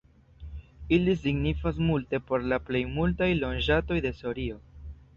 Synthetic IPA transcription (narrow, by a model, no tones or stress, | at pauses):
ilisiɡnifas̬multe̞po̞ɾlaple̞jmultajlo̞nd͡ʒato̞jde̞so̞ɾio̞